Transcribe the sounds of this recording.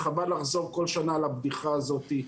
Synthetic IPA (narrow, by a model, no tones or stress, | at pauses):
χabadlaχzo̞ʁko̞lʃanaːlabd̪iχaːzo̞t̪i